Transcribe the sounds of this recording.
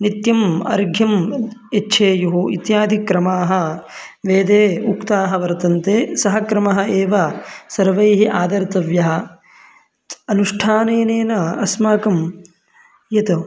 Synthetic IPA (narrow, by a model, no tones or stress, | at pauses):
nit̪jɐmɐ̰ɾɡʱjɐmetːʃʰeːjuɦuʔḭt̪jaːd̪ʱikɾɐmaːɦɐ̆ | ʋeːd̪eːukt̪aːɦɐʋɐɾt̪ɐnt̪eːsɐɦɐkɾɐmɐɦɐeːʋɐsɐɾʋɐjɦiʔaːd̪ɐɾt̪ɐʋjɐɦɐ̆ | ɐnuʂʈʰaːneːneːnɐɐsmaːkɐm | jɐt̪ɐ